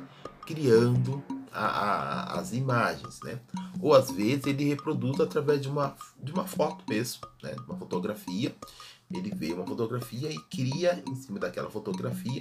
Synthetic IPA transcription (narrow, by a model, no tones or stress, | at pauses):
kɾiɐ̃nd̪ʊa̰aa̰zimaʒḛ̃j̃znɛ̰owazvezɪzelɪhepɾod̪uzat̪ɾavɛzd͡ʒɪũmɐd͡ʒɪũmɐfɔɾt̪ɪ̥pesʊ̥nɛ̰ũmɐfot̪oɡɾafiɐelɪveũmɐfot̪oɡɾafiɐɪkɾiɐḛ̃sĩmɐd̪akɛ̰lɐfot̪oɡɾafiɐ